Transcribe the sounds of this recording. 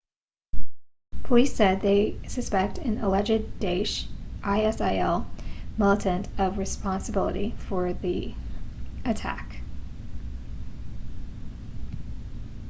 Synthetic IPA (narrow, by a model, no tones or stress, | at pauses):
pʰəlisɛd̪̚ðeɪsɨspɛk̚tɨ̃nəlɛd͡ʒɨd̚deɪʃʔaɪɛsaɪɛlˠmɪlˠəɾʰɨ̃ntʰʌvɹɨspɑ̃nsəbɪlˠə̰ɾḭfə˞ði | ɨtʰæ̰k